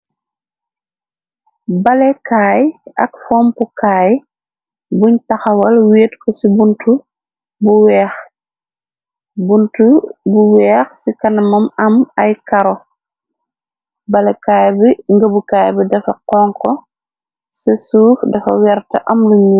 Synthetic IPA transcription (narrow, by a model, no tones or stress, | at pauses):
bɐlɛkaːjɐ̰kfɔːmpukaːj | buɲtɐxɐwɐlweːtkɔsibuntu | buwɛːx | buntubuwɛːxsikɐnɐmɐmɐmɐjkɐɾɔ | bɐlɛkaːjbiŋɡɐbukaːjbidɐfɐqɔŋkɔ | sɐsuːfdɐfɐ̰wɛɾtɐʔɐmluɲuː